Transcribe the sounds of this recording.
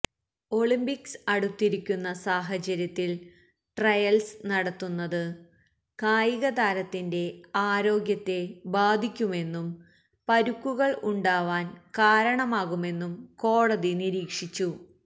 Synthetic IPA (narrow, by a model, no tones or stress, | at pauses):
o̞ɭimbiksɐɽut̪ːiɾikʲːunːɐsaːɦɐt͡ɕɐɾjɐt̪ːil | ʈrɐjɐlsnɐɽɐt̪ːunːɐðɨ | kaːjiɣɐd̪aːɾɐt̪ːinde̞aːɾo̞ːɡjɐt̪ːe̞baːd̪ʱikʲːume̞nːum | pɐɾukːuɣɐɭuɳɖaːʋaːnkaːɾɐɳɐmaːɣume̞nːumko̞ːɽɐðiniɾiːkʂit͡ɕːu